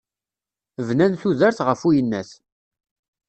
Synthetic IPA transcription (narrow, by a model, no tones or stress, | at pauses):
vnænθuðəɾθʁəfujənːæθ